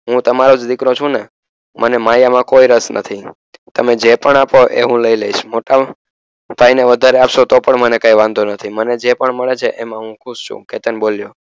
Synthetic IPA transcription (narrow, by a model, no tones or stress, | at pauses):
ɦũt̪əmaɾod͡ʒd̪ikɾõt͡ʃʰũne | mʔənemajamãkoiɾəsnʔə̰t̪ʰi | t̪əmed͡ʒepəɳapoʔḛɦũləileiʃmoʈa | b̥ʱaineʋəd̪ʱaɾeapʃot̪opəɳmənekaiʋãnd̪ʱonət̪ʰiməned͡ʒepəɳməɭet͡ʃʰeʔemãɦũkʰuʃt͡ʃʰṵ̃ket̪ənboljo